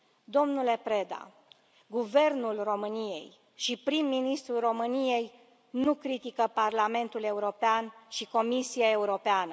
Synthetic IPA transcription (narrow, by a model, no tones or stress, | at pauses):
d̪o̞mnule̞pɾe̞d̪a̰ | ɡuve̞rnulro̞mɨnije̞̰j | ʃipɾimːinist̪ɾuro̞mɨnije̞j | nukɾit̪ikəparlame̞nt̪ule̞uɾo̞peanʃiko̞misiae̞uɾo̞peanə